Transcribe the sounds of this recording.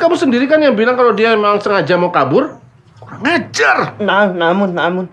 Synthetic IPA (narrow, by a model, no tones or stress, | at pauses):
kabʊrsəndiɾikanjaŋbilaŋkalodiamememaŋsəŋad͡ʒamokabʊr | koɾaŋad͡ʒarnanːamʊnːamʊn